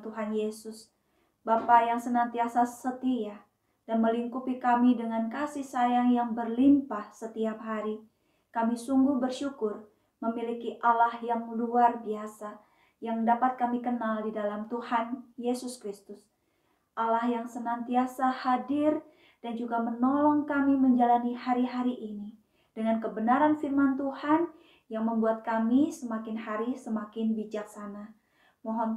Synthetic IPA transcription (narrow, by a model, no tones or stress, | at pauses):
t̪uɦanjesʊs | bapajaŋsənant̪iasasət̪ia | d̥anməliŋkupikamidəŋankasihsajaŋjaŋbərlimpahsət̪iap̚ɦaɾi | kamisuŋɡuhbərʃukʊr | məmilikiʔalahjaŋluarbiasa | jaŋdapat̪̚kamikənaldidalamt̪uhanjesuskɾist̪ʊs | ʔalahjaŋsənant̪iasahadɪr | d̥and͡ʒuɡamənolɔŋkamiməɲd͡ʒalanihaɾiɦaɾiʔːni | dəŋankəbənaɾanfirmant̪uhan | jaŋməmbuat̪̚kamisəmakɪnhaɾisəmakɪnbid͡ʒak̚sana | mɔɦɔn